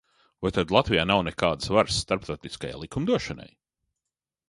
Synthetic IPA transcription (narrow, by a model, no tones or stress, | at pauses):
vajt̪ad̪lˠat̪vijaːnawnɛkaːd̪svaɾsːt̪aɾp̚t̪oːt̪iskaja̰jlikumd̪uɔʃana̰j